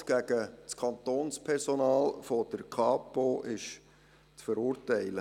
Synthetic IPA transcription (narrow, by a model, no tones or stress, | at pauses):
ɡ̥æɡət͡skʰɑnt̪oːnspʰɛrsonɑːlfod̥əɾkʰɑːpoʔɪʃ | t͡sfəɾuːɾtɛɪlə